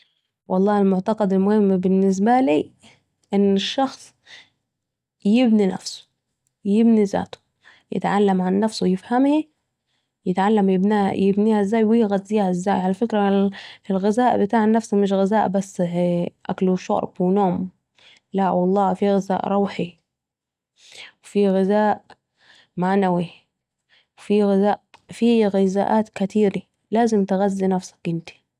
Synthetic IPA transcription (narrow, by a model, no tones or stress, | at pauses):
wʔɑlˤːɑːɪlmʊʕt̪ɑqɑd̪ɪlmʊhɪmːbɪnːɪs̬baliː | ʔɪnːɪʃːɑxsˤ | jɪbnina̰fsʊ̥ | jɪbniza̰ːt̪ʊ̥ | jɪ̰t̪ʕalːamʕanːafsʊjɪfhamhi | jɪt̪ʕalːamjɪbnajɪbniːhaɪzːaːjwiɣad̪ziːaʔɪzːaːjʕalafɪkɾaɪlɣɪzaːʔbɪt̪aːʕanːafsamɪʃ̬ɣɪzaːʔbasːʔa̰kluʃɑ̰ɾˤbwɪnoːm | laʔwɑlˤːɑːfiɣɪza̰ːʔɾˤɑwħi | wfiɣɪzaːʔ | manawi | wfiɣɪzaːʔfiɣɪza̰ːʔaːt̪kat̪ʰiːɾi | laːzɪmt̪ɪɣazːinafsḁkʔɪnt̪i̥